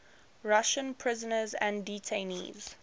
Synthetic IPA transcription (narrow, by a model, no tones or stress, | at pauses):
ɹaʃə̃npʰɹɪzənəzæ̰̃nditʰẽnḭːz̥